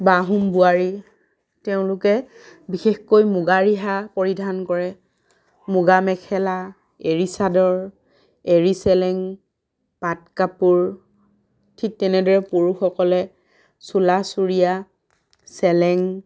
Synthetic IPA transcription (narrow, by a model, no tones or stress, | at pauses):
baɦumbuaɹi | teʊ̃lʊkɛ | bixexkojmʊɡaɹiɦapɔɹidʱankɔɹɛ | muɡamɛkʰɛla | eɹisadɔɹ | eɹisɛlɛŋ | pat̚kapuɹ | tʰik̚tɛnɛdɔɹɛpoɹuxɔkɔlɛ | sulasuɹija | sɛlɛŋ